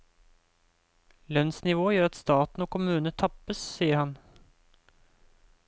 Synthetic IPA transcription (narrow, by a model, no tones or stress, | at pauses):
lœnsnɪʋoːjøːɾɑt̪st̪ɑːt̪n̩oːkʰʊmʉːnəət̪ʰɑpːəssiːəɾhɑn